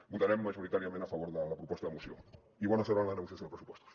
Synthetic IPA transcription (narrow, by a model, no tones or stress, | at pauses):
but̪aɾɛmːaʒuɾit̪aɾiamẽnt̪afaβoɾðəlapɾupɔst̪aðəmusjo̰ | iβonaseɾanlanəɣusjas̬θjonpɾəsupwɔst̪o̥s